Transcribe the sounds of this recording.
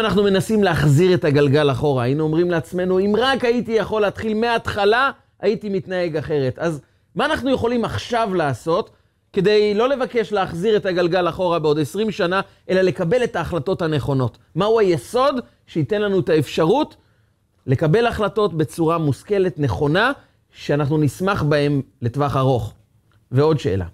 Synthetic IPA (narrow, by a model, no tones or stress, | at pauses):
naχnume̞nasimleaχziʁe̞taɡalɡalaχo̞ʁaːinuo̞mʁimleat͡sme̞nuimʁakaitijaχo̞leːtχilmeaːtχala | aitimitnae̞ɡaχe̞ʁe̞taz | maːnaχnuje̞χo̞limaχʃavlaːso̞t | ke̞de̞jlo̞le̞vake̞ʃleaχziʁe̞taɡalɡalaχo̞ʁabeo̞desʁimʃana | ʔe̞lale̞kabe̞le̞taːχlato̞thane̞χo̞no̞t | mauajeso̞d | ʃeite̞nlanuetaefʃaʁut | le̞kabe̞laχlato̞tbe̞t͡suʁamuske̞le̞tne̞χo̞na | ʃeanaχnunismaχbae̞mletvaχaʁo̞χ | veo̞dʃeḛːla̰